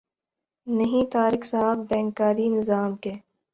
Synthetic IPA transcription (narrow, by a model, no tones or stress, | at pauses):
nɐɦĩt̪aːɾɪksaɦəbbɛ̃ːŋkːaːɾinɪzaːmkeː